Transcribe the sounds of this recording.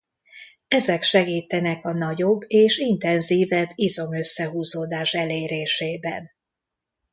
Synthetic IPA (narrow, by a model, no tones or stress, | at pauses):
ɛzɛkʃɛɡiːt̪ɛnɛkɒnɒɟo̞bːeːʃint̪ɛnziːvɛbːizo̞mø̞sːɛɦuːzoːd̪aːʃɛleːɾeːʃeːbɛ̰n